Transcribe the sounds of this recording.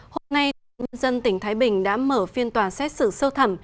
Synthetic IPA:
ho˧mna˧jt̪ːɲə˧nzə˧nt̪ï˧˩ŋ̟t̪ʰaː˨˦jɓï˨˩ŋ̟ɗa̰ː˧˥məː˧˩fi˧ənt̪waː˨˩nsɛ˦˥t̚sɨ̰˧˩sə˧wt̪ʰə˧˩m

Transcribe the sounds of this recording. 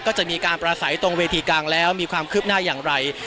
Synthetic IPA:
kɔː˥˩t͡ɕa˨˩miː˧kaː˧npɾaː˧sa˩˦jt̪o˧ŋweː˧t̪ʰiː˧klaː˧ŋlɛː˦˥wmiː˧kʰwaː˧mkʰɯː˥˩p̚naː˥˩jaː˨˩ŋɾa˧j

